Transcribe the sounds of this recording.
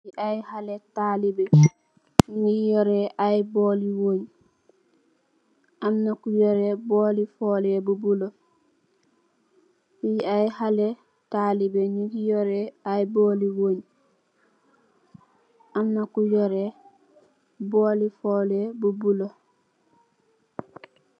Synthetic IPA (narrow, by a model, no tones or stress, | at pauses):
iʔajhaletalibe | ɲɲijoɾɛʔajboːliwoːɲ | ʔamnakujɔɾebolifoːlebubulo | ijiajhale | talibeɲiɡijoɾeajboːliwoːɲ | amnakujoɾe | bolifoːlebubulo